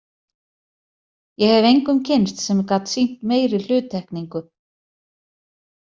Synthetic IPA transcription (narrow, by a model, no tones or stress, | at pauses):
jɛɣhɛvejŋkʏmcʰɪnst̪sɛmkat̪sin̥t̪meːjɾɪl̥ʏːt̪ʰːɛhkniŋkʏ